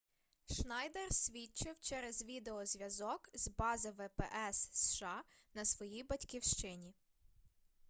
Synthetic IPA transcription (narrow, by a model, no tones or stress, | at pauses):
ʃnɑjd̪ersʲʋʲit͡ʃɪwt͡ʃɛɾɛzʋʲid̪eɔzʲʋʲjɐzɔkzbɑzɪʋɛpɛʔɛsːʃɑ | nɐsʋɔjijbɐtʲkʲiwʃt͡ʃɪnʲi